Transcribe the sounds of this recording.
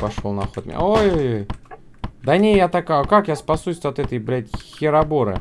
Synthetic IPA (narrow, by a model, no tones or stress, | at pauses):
pɐʂolˠnɐxot̪̚mʲɪ̰nʲa̰ojojoj | d̪ɐnʲejjat̪ɐkajkakjaspɐsusʲɐt̪ɛt̪əjblʲætʲxʲɪɾɐboɾɨ̰